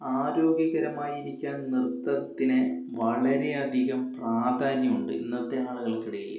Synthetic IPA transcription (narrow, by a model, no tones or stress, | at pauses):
aːɾo̞ːɡjɐɣɐɾɐmaːjiɾikʲːaːnnirt̪ːɐrɐt̪ːinɨ | ʋɐɭɐɾe̞ɐd̪ʱiɣɐmpraːd̪ʱaːnjɐmuɳɖɨ̰ḭnːɐt̪ːe̞aːɭuɣɐɭkiɽuɣḭlːɐ̰